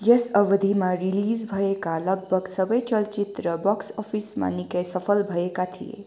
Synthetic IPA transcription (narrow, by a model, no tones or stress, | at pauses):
jesəʋd̪ʱimãɾilizbʱəekaləɡ̚bʱəɡsəbəjt͡ʃəlt͡ʃit̪ɾəbɔksɔpʰisma̰nikəjsəpʰəlbʱəekat̪ʰḭḛ